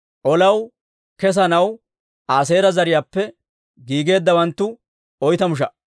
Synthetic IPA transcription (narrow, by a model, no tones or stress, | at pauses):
ʔɔlɐw | kɛs̬ɐnɐw | ʔaːs̬e̞ːɾɐzɐɾɪjaːpːɛ | ɡiːɡe̞ːd̪ːɐwɐnt̪ːʊ | ɔjt̪ɐmʊʃ̬ɐ